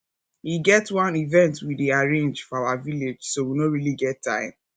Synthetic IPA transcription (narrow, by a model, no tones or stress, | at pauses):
wiɡɛtwãnivɛ̃ntwideaɹẽnd͡ʒfɔaʊaviled͡ʒsowinõɹiliɡɛtʰːã̰ɪ̃m